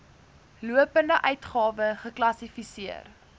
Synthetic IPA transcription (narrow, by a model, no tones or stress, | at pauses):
luəpəndəʔœɥtχɑːvəχəklɐsifisiər